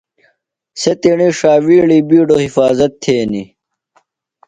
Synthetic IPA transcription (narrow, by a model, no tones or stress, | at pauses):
set̪iɳiʂaːʋiːɽiːbiːɖohifaːzɐt̪ʰːeːni